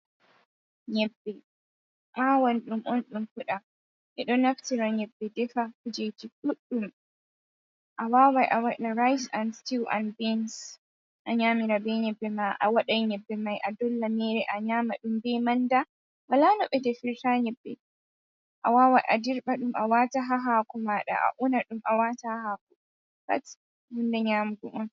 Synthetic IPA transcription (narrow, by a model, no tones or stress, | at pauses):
ɲɛbːɛ | ʔawanɗumʔɔnɗumkuɗa | ʔɛɗɔnaftiɾaɲɛbːɛdɛfakud͡ʒed͡ʒiɗuɗːum | ʔawaːwajʔawaʔɗaɾajsanstiwʔa̰nbɛns | ʔaɲaːmiɾabɛɲɛbːɛmaʔa̰waɗajɲɛbːɛmajʔadɔlːamɛɾɛʔaɲaːmaɗumbɛmanda | walanɔɓɛdɛfiɾtaːɲɛbːɛ̰ | ʔa̰wawajʔa̰diɾɓaɗumʔawataɦaɦaːkɔmaɗa̰ʔa̰ʔunaɗumʔawatahak̚ɔ | ba̰t | wundaɲaːmɡumɔn